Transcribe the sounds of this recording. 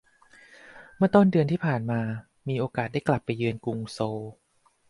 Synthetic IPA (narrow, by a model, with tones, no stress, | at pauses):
mɯ˥ɐt̪o˥˩ndɯ˧ənt̪ʰiː˥˩pʰaː˨˩nmaː˧ | miː˧ʔoː˧kaː˨˩t̪̚da˥˩kla˨˩pːa˧jːɯ˧ənku˧ŋsoː˧w